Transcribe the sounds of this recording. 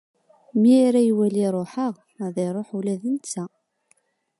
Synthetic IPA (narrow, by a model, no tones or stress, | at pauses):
miæɾæjwæliɾˤoħəʁ | ðˤeɾˤoħulæðənt͡sːæ